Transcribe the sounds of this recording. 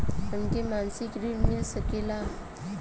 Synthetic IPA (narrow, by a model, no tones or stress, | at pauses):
ənkemansikɾimilsəkela